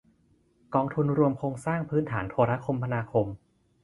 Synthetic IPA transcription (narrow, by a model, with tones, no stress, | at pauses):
kɔː˧ŋt̪ʰu˧nɾu˧əmkʰoː˧ŋsaː˥˩ŋpʰɯː˦˥nt̪ʰaː˩˦nt̪ʰoː˧ɾaː˦˥kʰo˧mpʰa˧naː˧kʰo˧m